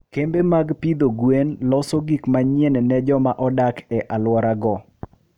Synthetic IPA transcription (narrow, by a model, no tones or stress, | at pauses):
kembemaɡpid̪oɡwenlɔsoɡikmaɲjenɛnɛd͡ʒɔmaʔɔdakɛʔalwɔɾaɡɔ